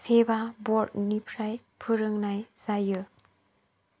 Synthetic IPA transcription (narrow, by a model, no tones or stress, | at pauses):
sebabɔɾt̚nipʰɾaj | pʰɯɾɯŋnajz̥ajɯ